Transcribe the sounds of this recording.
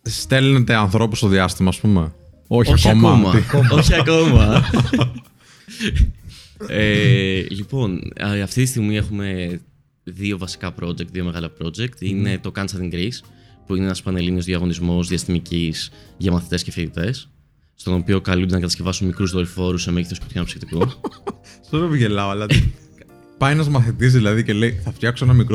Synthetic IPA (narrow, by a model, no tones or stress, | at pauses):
st̪elnet̪eɐnθɾo̞pust̪oðiɐst̪imɐːspume | ooɐmomɐoçiɐko̞mɐ | elipo̞nɐft̪it̪ist̪iɣmiexume̞ | ðio̞vɐsi̥kɐpɾo̞d͡ʒe̞k̚t̪ðio̞me̞ɣɐlɐpɾo̞d͡ʒe̞k̚t̪ine̞t̪o̞kɐnt͡ʃɐɾt̪iŋɡɾispuineenɐspɐnelinio̞zðiɐɣo̞nizmo̞zðiɐst̪imicisʝɐmɐθit̪e̞scefilit̪e̞sː | t̪o̞no̞pio̞kɐlund̪nɐkɐt̪ɐsce̞vɐsunmikɾuzðo̞lifo̞ɾusːemeʝiθoskot̪ʰçɐnɐpsi̥kt̪iku | soɾevʝelɐoɐlɐ | pɐjenɐzmɐθit̪izðilɐðice̞leiθɐft̪çɐksoenɐmikɾ